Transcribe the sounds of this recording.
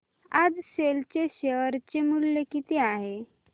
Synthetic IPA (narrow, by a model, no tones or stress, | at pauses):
ad͡zselt͡ɕeɕeəɾt͡ɕemulːekit̪iaɦe